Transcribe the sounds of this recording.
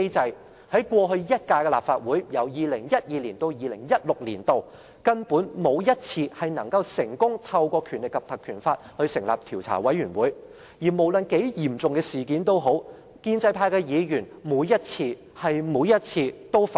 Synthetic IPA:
e˥t͡sɐ˧j | hɐ˨˥jkʷɔː˧ɦɵ˧ɥjɐ˥t̚kaː˧jkɛ˧laː˨p̚faː˧t̚wuː˨˥jjɐ˨˩wjiː˨lɪ˨˩ŋjɐ˥t̚jiː˨˧liː˨˩nt̪o˧wjiː˨˧lɪ̰˨˩ŋjɐ˥t̚lʊ˨k̚lḭː˨˩nt̪o˨w | kɐ˥npuː˨˥nmo˨˧wjɐ˥t̚t͡sʰiː˧hɐ˨˩jnɐ˨˩ŋkɐ˧wsɪ˨˩ŋkʊ˥ŋt̪ʰɐ˧wkʷɔː˧kʰyː˨˩nlɪ˨˩kːɐ˨p̚t̪ʰɐ˨kʰyː˨˩nfaː˧t̚hɵ˧ɥsɪ˨˩ŋlaː˨p̚t̪ʰiː˨˩wt͡sʰa̰ː˨˩wɐ˨˥jyː˨˩nwuː˨˥j | jiː˨˩mo˨˩wlɵ˨nke˨˥jjiː˨˩mt͡sʊ˨ŋkɛː˧siː˨˩kiː˨˥nt̪o˥wɦo˨˥w | kiː˧nt͡sɐ˧jpʰaː˧jkɛː˧jiː˨˧jyː˨˩nmuː˨˧˥jːɐ˥t̚t͡sʰiː˧ | hɐ˨jmuː˨˧˥jɐ˥t̚t͡sʰiː˧t̪o˥wf

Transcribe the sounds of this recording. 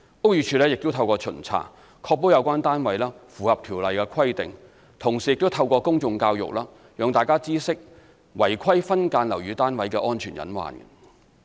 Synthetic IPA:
ʔo˥wjyː˨˧t͡ʃʰyː˧lɛː˥jɪ˨k̚t̪o˥wt̪ʰɐ˧wkɔː˧t͡ʃʰɵ̰˨˩nt͡sʰa̰ː˨˥˩ | kʰɔː˧k̚po˥wjɐ˨˧wkʷaː˥nt̪aː˥nwɐ˨˥jlaː˥fuː˨hɐ˨p̚t̪ʰiː˨˩wlɐ˨jkɛː˧kʰɐ˥jt̪ɪ˨ŋ | t̪ʰʊ˨˩ŋsiː˨˩jɪ˨k̚t̪o˥wt̪ʰɐ˧wkɔː˧kʊ˥ŋt͡sʊ˧ŋkaː˧wjʊ̰˨k̚laː˥ | jœː˨˧ŋt̪aː˨jkaː˥t͡siː˥sɪ˥k̚ | wɐ˨˩jkʰɐ˥jfɐ˥nkaː˧nlɐ˨˩wjyː˨˧t̪aː˥nwɐ˨˥jkɛː˧ʔɔː˥nt͡ʃʰyː˨˩njɐ̰˨˥nwa̰ː˨n

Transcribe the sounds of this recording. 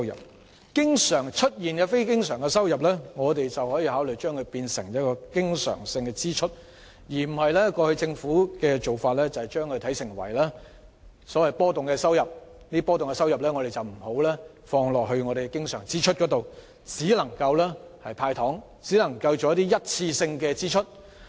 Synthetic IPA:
wjɐ̰˨p̚ | kɪ˥ŋsœː˨˩ŋt͡ʃʰɵ˥t̚jiː˨njɐ˨˧fe˥jkɪ˥ŋsœː˨˩ŋkɛ˧sɐ˥wjɐ˨p̬̚lɛː˥ŋɔː˨˧t̪̬e˨jt͡sɐ˨whɔː˨˥jiː˧hɦaː˨˥wlɵ˨˩jt͡ʃœː˥ŋkʰɵ˨˧ɥpiː˧nsɪ˨˩ŋjɐ˥t̚kɔː˧kɪ˥ŋsœ̰ː˨˩ŋsɪ˧ŋkɛː˧t͡siː˥t͡ʃʰɵ˥t̚ | jiː˨˩m̩˨˩hɐ˨jlɛː˥kɔː˧hɵ˧t͡sɪ˧ŋfuː˨˥kɛ˧t͡so˨wfaː˧t̚lɛː˥t͡sɐ˨˩hɛ˨jt͡ʃœː˥ŋkʰɵ˧ɥt̪ʰɐ˨˥jsɪ˨˩ŋwɐ̰˨˩jlɛː˥ | sɔ˨˥wɐ˨jpɔː˥t̪ʊ˨ŋkɛː˧sɐ˥wjɐ˨p̚ | niː˥pɔː˥t̪ʊ˨ŋkɛ˧sɐ˥wjɐ˨p̚lɛː˥ŋɔː˨˧t̪e˨˩jt͡sɐ˨˩wm̩˨˩ho˨˥wlɛː˥ | fɔː˧ŋlɔː˨k̚ɦɵ˧ɥŋɔː˨˧ɾe˨˩kɛ˧kɪ˥ŋsœ̰ː˨˩ŋt͡siː˥t͡ʃʰɵ˥t̚kɔ˨˥t̪o˨w | t͡siː˨˥lɐ˨˩ŋkɐ˧wlɛː˥hɐ˨jpʰaː˧jt̪ʰɔː˨˥ŋ | t͡siː˨˥lɐ˨˩ŋkɐ˧wt͡ʃɔ˨˧jɐ˥t̪iː˥jɐ˥t̚t͡sʰiː˧sɪ˧ŋkɛː˧t͡siː˥t͡ʃʰɵ˥t̚

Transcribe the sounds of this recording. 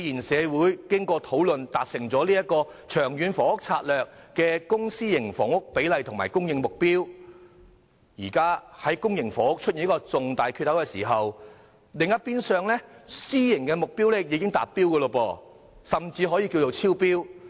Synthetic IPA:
jiː˨˩nsɛː˨˧wuː˨˥jkɪ˥ŋkɔː˧t̪ʰo˨˥wlɵ˨nt̪aː˨k̚sɪ˨˩ŋt͡sɔː˨˥liː˥jɐ˥kɔː˧t͡ʃʰœː˨˩ŋjyː˨˧nfɔː˨˥ʊ˥k̚t͡sʰaː˧t̚lœː˨k̚kɛː˧kʊ˥ŋsiː˥jɪ˨˩ŋfɔː˨˩ŋʊ˥k̚pe˨˥jlɐ˨jt̪ʰʊ˨˩ŋmaː˨˩jkʊ˥ŋjɪ˨˧ŋmʊ˨k̚piː˥w | jiː˨˩kaː˥hɐ˨˥jkʊ˥ŋjɪ˨ŋfɔː˨˥hʊ˥k̚t͡ʃʰɵ˥t̚ji˨njkɔː˧t͡sʊ˨ŋt̪aː˨jkʰy˧t̪̚hʰɐ˨˥wkɛː˧sḭː˨˩ɦɐ˨w | lɪ˨˧ŋjɐ˥t̚piː˥nsœː˨˧ŋlɛ˥siː˥jɪ˨˩ŋkɛː˧mʊ˨k̚piː˥wlɛː˥jiː˨˧kɪ˥ŋt̪aː˨p̚piː˥wkəː˧lo˧pɔː˧ | sɐ˨mt͡siː˧ɦɔː˨˥jiː˧ki˧wt͡so˨wt͡sʰiː˥wpiː˥w

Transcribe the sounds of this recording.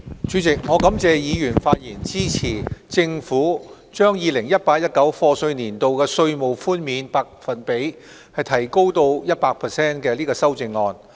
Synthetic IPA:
t͡ʃʰy˨˥t͡sɪ˨k̚ŋɔː˨˧kɐ˨˥mt͡sɛː˧jiː˨˧jyː˨˩nfaː˧t̚jiː˨˩nt͡siː˥t͡sʰiː˨˩t͡sɪ˧ŋfuː˨˥ | t͡ʃœː˥ŋjiː˨˧lɪ˨˩ŋjɐ˥t̚paː˧k̚jɐ˥t̚kɐ˨˥wfɔː˧sɵ˧ɥniː˨˩nt̪o˨wkɛː˧sɵ˧ɥmo˨˩wfuː˥nmiː˨˧npaː˧k̚fɐ˨npe˨˥j | hɐ˨jt̪ʰɐ˨˩jko˥wt̪o˧wjɐ˥t̚paː˧k̚pʰɛ˨sɛː˥nkɛː˧liː˥kɔː˧sɐ˥wt͡sɪ˧ŋːɔː˧n

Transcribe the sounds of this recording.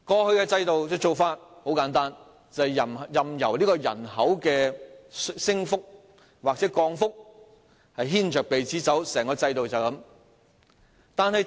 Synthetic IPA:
kɔː˧hɵ˧ɥkɛː˧t͡sɐ˧jt̪o˨wt͡sɪ˥t͡so˨wfaː˧t̚ho˨˥wkaː˨˥nt̪aː˥n | t͡sɐ˨jɐ˨m˨jɐ˨mjɐ˨˩wliː˥kɔː˧jɐ̰˨˩nhɐ˨˥wkɛː˧ssɪ˥ŋfʊ˥k̚ | waː˨k̚t͡sɛː˨˥kɔː˧ŋfʊ˥k̚ | hɐ˨jɦiː˥nt͡ʃœː˨k̚pe˨jt͡siː˨˥t͡sɐ˨˥wsɛː˨˩ŋkɔː˧t͡sɐ˧jt̪o˨wt͡sɐ˨˩wkɐ˨˥m | t̪aː˨nhɐ˨j

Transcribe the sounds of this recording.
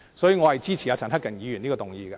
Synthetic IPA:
sɔː˨˥jyː˨˧ŋɔ˨˧hɐ˨jt͡siː˥t͡ɕʰi˨jaː˨˧t͡sʰɐ˨nɦɐ˥kːɐ˨˩njiː˨˧jy˨˩niː˥ɔː˧t̪ʊ˨˩ŋjḭː˨˧ɡɛ˧

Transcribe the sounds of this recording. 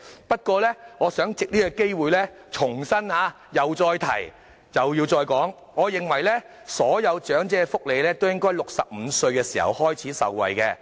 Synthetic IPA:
pɐ˥t̚kʷɔː˧lɛː˥ŋɔː˨˧sœː˨˥ŋt͡sɪ˨k̚liː˥kɔ˧ke˥jwuː˨˧jlɛː˥ | t͡sʰʊ˨˩ŋsɐ˥nhaː˨˧ | jɐ˨wt͡sɔː˧jt̪ʰɐ̰˨˩j | jɐ˨wji˧wt͡sɔː˧jkɔː˨˥ŋ | ɔː˨˧jɪ˨ŋwɐ˨˩jlɛː˥ | sɔː˨˥jɐ˨˧wt͡ʃœː˨˥ŋt͡sɛː˧fʊ˥k̚le˨˧jlɛː˥t̪o˥wjɪ˥ŋkɔː˥jlʊ˨k̚sɐ˨p̚m̩ː˨˧sɵ˧ɥkɛː˧siː˨˩hɐ̰˨˩whɔː˥jt͡sʰiː˨˥sɐ̰˨wːɐ̰˨˩jkɛː˧

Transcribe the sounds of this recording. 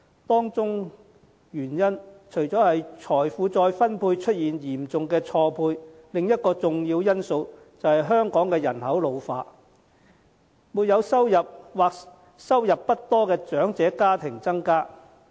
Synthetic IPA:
t̪ɔː˥ŋt͡sʊ˥ŋ | jyː˨˩njɐ˥nt͡ʃʰɵ˨˩ɥt͡sɔː˨˥hɐ˨jt͡ʃʰɔː˨˩jfuː˨˧t͡sɔː˧jfɐ˥npʰuː˧jt͡ʃʰɵ˥t̚jiː˨njiː˨˩mt͡sʊ˨ŋkɛː˧t͡ʃʰɔː˧pʰuː˧j | lɪ˨ŋjɐ˥t̚kɔː˧t͡sʊ˨ŋjiː˧wjɐ˥nso˧w | t͡sɐ˨whɐ˨jɦœː˥ŋkɔː˨˥ŋkɛː˧jɐ˨˩nhɐ˨˥wlo˨˧wfaː˧t̚ | muː˨˧t̚jɐ˨˧wsɐ˥wjɐ˨p̚waː˨k | sɐ˥wjɐ˨pːɐ˥t̚t̪ɔː˥kɛː˧t͡ʃœː˨˥ŋt͡sɛː˨˥kaː˥t̪ʰɪ˨˩ŋt͡sɐ˥ŋkaː˥

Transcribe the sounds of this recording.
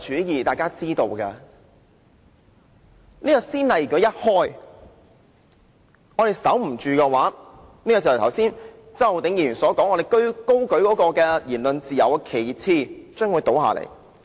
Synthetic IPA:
t͡ʃʰyː˨˥jiː˨t̪aː˨jkaː˥t͡siː˥t̪o˧wkɛː˧ | niː˥kɔ˧siː˥nlɐ˨jɔ˨˥jɐ˥t̚hɔː˥j | ŋɔː˨˧ɾe˨jsɐ˨˥wm̩˨˩t͡ʃyː˨˧kɛ˧waː˨˥ | niː˥kɔː˧t͡sɐ˨˩˨t̪ʰɐ˨˩wsiː˥n | t͡sɐ˨˩wt̪e˨˥ŋjiː˨˩yː˨˩nsɔː˨˥kɔː˨˥ŋɔː˨˧ɾe˨jkɵ˥ɥko˥wkɵ˨˥ɥkɔː˨˥kɔː˧kɛː˧jiː˨˩nlɵ˨nt͡siː˨jɐ˨wkkʰe˨˩jt͡sʰiː˧˩t͡ʃœː˥ŋwu˨˧jt̪o˨˥wɦa̰ː˨lḛ˨˩j

